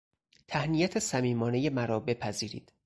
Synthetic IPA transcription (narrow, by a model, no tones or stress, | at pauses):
t̪ʰæhnijæt̪ʰesæmiːmɒːne̞je̞mæɾɒːbe̞pʰæziːɾḭːd̪̥